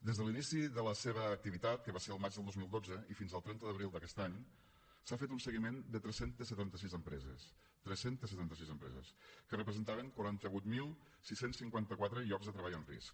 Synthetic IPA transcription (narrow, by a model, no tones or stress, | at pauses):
d̪ezðəlinisiðələseβəːk̚t̪iβit̪at̪̚kəβaseəlˠmad͡ʒðəlˠd̪ozmilˠd̪od͡zəifinzəlˠt̪ɾɛnt̪əðəβɾilˠd̪əkɛst̪aɲ | safet̪unsəɣimend̪ət̪ɾɛsent̪əsːət̪ant̪əsizəmpɾɛzə̰s | t̪ɾɛsent̪əsːət̪ant̪əsizəmpɾɛ̰zə̰skərəpɾəzənt̪aβəŋkwuɾant̪əβut̪milˠ | sisensːiŋkwant̪əkwat̪ɾəiɔkzðət̪ɾəβaʎənrḭsk